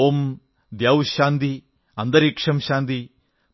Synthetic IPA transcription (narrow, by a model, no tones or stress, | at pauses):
om | d̪jaːwʃaːnd̪i | ɐnd̪ɐɾikʂɐmʃaːnd̪i